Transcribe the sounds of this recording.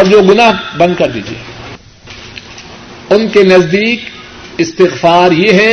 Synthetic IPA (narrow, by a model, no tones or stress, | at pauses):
ɔːɾd͡ʒoːɡʊnaːɦbɐ̃nd̪̚kɐɾd̪ḭːd͡ʒiḛː | ʊnkenɐzd̪iːk | ɪst̪ɪɣfaːɾjeɦɛ